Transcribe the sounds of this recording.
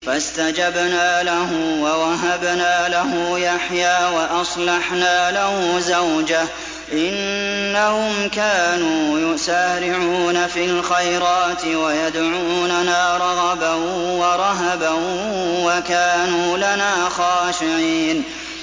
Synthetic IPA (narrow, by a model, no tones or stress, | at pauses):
fast̪ad͡ʒabnaːlaɦʊwawaɦabnaːlaɦʊjaħjaːwaʔɑsˤlɑħnaːlahʊzawd͡ʒah | ʔɪnːahʊmkaːnuːjʊsaːɾɪʕuuːnafilxajɾɑːt̪ɪwajad̪ʕuːnanaːɾˤɑɣɑbawɑɾˤɑɦabahʊwakaːnuːlanaːxɑːʃɪʕiːn